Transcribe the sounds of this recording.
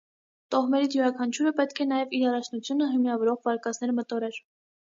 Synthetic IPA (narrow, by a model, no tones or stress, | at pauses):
t̪ɔʁmɛɾit͡sjuɾɑkʰɑnt͡ʃʰuɾəpɛt̪kʰɛnɑjɛviɾɑrɑt͡ʃʰnut͡sʰjunəɦəmjɑvɔɾɔʁvɑɾkɑt͡snɛɾmət̪ɔɾɛɾ